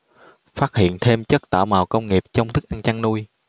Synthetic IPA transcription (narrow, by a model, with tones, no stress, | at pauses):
faː˦˥t̚hḭ˧˨ənt̪ʰe˧mt͡ɕə˦˥t̚t̪aː˧˩wmaː˨˩wkə˧wŋ͡mŋi˨˩əp̚t͡ɕɔ˧wŋ͡mt̪ʰɨ˦˥k̚ʔa˧nt͡ɕa˧ŋnu˧j